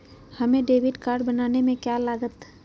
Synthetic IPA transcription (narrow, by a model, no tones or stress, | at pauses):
hɐmẽɖeːʋɪɖkaːɾɖbɐnaːnemẽkjaːlaːɡət̪